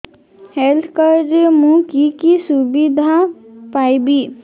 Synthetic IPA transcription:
helt̪ʰkəɾɾmũkikisubid̪ʱapaibi

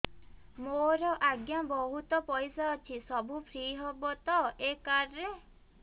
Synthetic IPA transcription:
moɾɔʔaɡjabɔɦut̪ɔpɔjsaːt͡ʃʰisɔbʱupʰɾiːɦɔbɔt̪ɔekaɾɾe

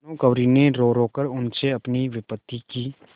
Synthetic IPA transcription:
nõkɐʋɾineɾoːɾoːkəɾʊnseɐpniʋɪpət̪ːikiː

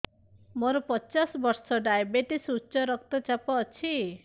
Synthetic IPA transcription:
moɾɔpɔt͡ʃɔsɔbɔɾsɔɖajbeʈisut͡ʃɔɾɔkt̪ɔt͡ʃapɔːt͡ʃʰi

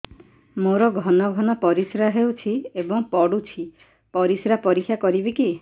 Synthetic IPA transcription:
moɾɔɡʱɔnɔɡʱɔnɔpɔɾisɾaɦewt͡ʃʰiebɔŋpɔɽut͡ʃʰi | pɔɾisɾapɔɾikʰːjakɔɾibiki

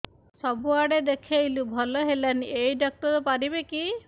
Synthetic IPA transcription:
sɔbuaɽed̪ekʰejlubʱɔlɔɦelanejdɔk̚tɔɾɔpaɾibeki

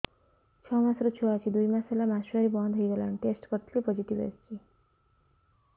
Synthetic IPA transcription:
t͡ʃʰʌmasɾot͡ʃʰoat͡ʃʰid̪ujmaselamaʃaɾibɔnd̪ʱɦoiɡʌlanʈesʈpəɾt̪ʰlipɔd͡ʒiʈiʋḛst͡ʃi

